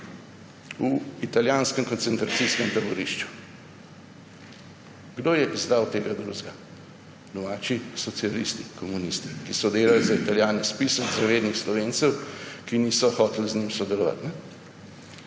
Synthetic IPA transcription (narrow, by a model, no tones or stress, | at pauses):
uit̪aljaːnskɛmkɔnt̪sɛnt̪ɾasiskɛmt̪abɔɾiʃt͡ʃu̥ | ɡd̪oːjɛʔizd̪awt̪eːɡad̪ɾuːzɡa | d̪ɔmaːt͡ʃisɔt̪sialist̪ikɔmunist̪ikisɔd̪eːlalzait̪aljaːnispisəɡzaʋeːd̪nixslɔʋeːnt̪sɛwkiniːsɔxɔːt̪lznimsɔd̪ɛlɔʋa̰t̪nɛ